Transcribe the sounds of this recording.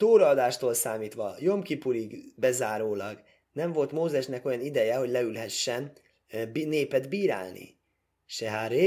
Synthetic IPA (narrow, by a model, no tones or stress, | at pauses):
t̪oːɾɒːd̪aːʃt̪oːlsaːmiːt̪ʋɒjo̞mkipuɾiɡbɛzaːɾoːlɒɡ | nɛɱvo̞lt̪moːzɛʃnɛko̞jɒnid̪ɛjɛɦo̞ɟlɛylɦɛʃːɛn | bneːpɛd̪biːɾa̰ːlnḭ | ʃɛɦaɾe